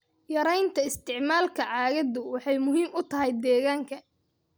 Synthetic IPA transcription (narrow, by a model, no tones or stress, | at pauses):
jɐɾɛjnt̪ʰɐɪst̪ʰɪʕmaːlkʰɐʕɑːɣɐðʊwɑħɑjmʊɦiːmʊt̪ʰɐɦɛjd̪ɛːɣaːŋkʰɐ